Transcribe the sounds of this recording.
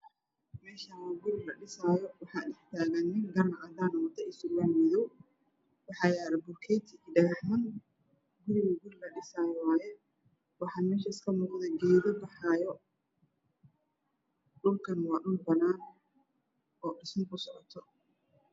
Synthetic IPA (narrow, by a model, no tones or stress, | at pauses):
mɛːʃaɡʊɾɪlɐɖɪsaːjɔwɑħɑːᶑɛħt̪ʰaːɣɐnːɪŋɡɐrnɐʔɐd̪aːnʊmɐt̪ʰɐɪsʊlɐnmɪðɔw | wɑħɑːjaːlɐbʊrkʰɛːjt̪ʰɪkiɖɐɣɑħmɐn | ɡʊɾɪɣɐɡʊɾɪlɐɗɪsaːjɔwɑːjɛ | wɑħɑːmɛːʃɐɪskʰɐmuːqðɛɡɛːðɔbɑħɑːjɔ | ɗʊlkʰɐnwɑːɗʊlbɐnaːn | ɔːɗɪsmɪkʰʊsɔʕɔt̪ʰɔ